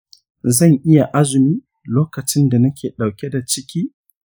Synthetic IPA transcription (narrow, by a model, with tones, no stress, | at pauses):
zɐ˦˨ŋʔɪ˦ja˨ʔa˦zʊ˨miː˦ | loː˦kɐ˨t͡ʃɪ˦nda˨nɐ˦kʲeː˨ɗa˨wkʲɛ˦da˨t͡ʃɪ˦kʲiː˦